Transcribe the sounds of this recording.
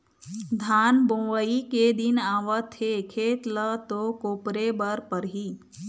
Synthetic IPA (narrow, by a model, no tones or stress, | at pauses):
d̪ʱaːnbõːʋəiked̪ɪnaːʋət̪ʰːekʰeːt̪lət̪okoːpɾebəɾpəɾɦiː